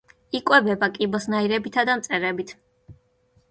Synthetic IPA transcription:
ikʼwɛbɛbakʼibɔsnaiɾɛbit̪ʰad̪amt̪sʼɛɾɛbit̪ʰ

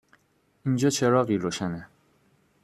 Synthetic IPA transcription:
ind͡ʒɒːt͡ʃʰeɾɒːɣiːɾoːʃæne

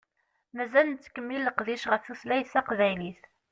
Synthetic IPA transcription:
mæzælənt͡sːkːəmːilːəqðiʃʁəfθuslæjsæqðæjniθ

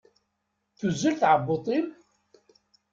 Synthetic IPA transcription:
θuzːəlθʕəbːot̪ˤim

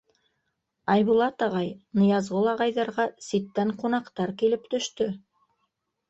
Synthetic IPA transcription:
ɑjβulˠɑt̪ɑʁɑjnɤ̆jɑzʁolˠɑʁɑjðɑɾʁɑsit̪ːæɴqunɑqt̪ɑɾkilɘpt̪ɵ̆ʃt̪ɵ

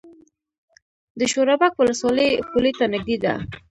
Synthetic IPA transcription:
d̪əʃoɾabakwʊləswɑləjkulet̪anɪɡ̚d̪ed̪a̰

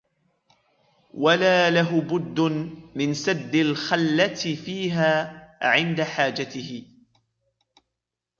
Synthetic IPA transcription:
walaːlaɦʊbʊd̪ːʊmɪnsad̪ːɪlxalːat̪ɪfiːɦaːʕɪnd̪aħaːd͡ʒat̪ɪhɪ

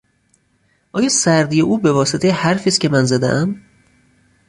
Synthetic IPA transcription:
ʔɒːjɒːsæɾd̪ijeʔuːbe̞vɒːset̪ejehæɾfiːst̪cʲʰe̞mænzæd̪ḛʔæm

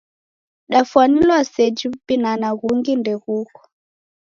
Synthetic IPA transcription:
ɗafwanilwasɛd͡ʒipinanaɣuŋɡindɛɣukɔ̥

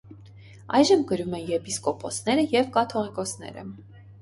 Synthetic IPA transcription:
ɑjʒəmɡəɾumɛnjɛpiskɔpʰɔsn̪ɛɾəjɛvkɑt̪ʰɔʁɛkɔsnɛ̰ɾə̰

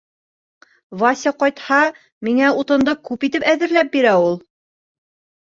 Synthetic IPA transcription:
vɑsʲɑqɒjt̪hɑ | miŋæut̪ɤ̆nd̪ɤkʉpit̪ɘpæðɘ̆ɾlæp̚biɾæulˠ

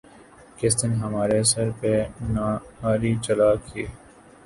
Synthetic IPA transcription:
kɪst̪ɪnɦɐmaːɾesɐɾpenaːaːɾit͡ʃəlaːkiː

